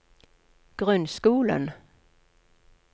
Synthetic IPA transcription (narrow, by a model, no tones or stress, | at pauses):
ɡ̥ɾɵnd̪skuːlə̰n